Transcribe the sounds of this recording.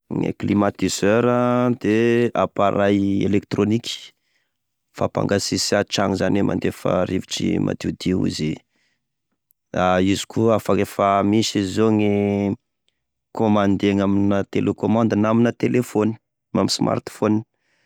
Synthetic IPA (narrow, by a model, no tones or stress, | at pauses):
ŋḛklimat̪iz̥øɾəd̪ea̰paɾajḛlekt̪ɾonikʲi̥ | fapa̰ŋɡasisaʈ͡ʂaŋizanemʔa̰nd̪efa̰ɾiviʈ͡ʂḭmʔa̰t̪eud̪iṵzi | aizi̥kʰuafakefamiʃiizoŋe | komand̪eŋaminat̪elekomãnd̪ənaminət̪elefoni̥ | mamisma̰rt̪foni